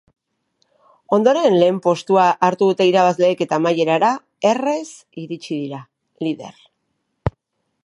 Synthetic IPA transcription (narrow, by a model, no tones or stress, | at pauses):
o̞nd̪o̞ɾe̞nle̞ːmpo̞st̪uaʔːɾt̪uðut̪e̞iɾaβazle̞ːke̞t̪amaje̞ɾaɾa | e̞re̞s | iɾit͡ʃiðiɾa | liðe̞̰r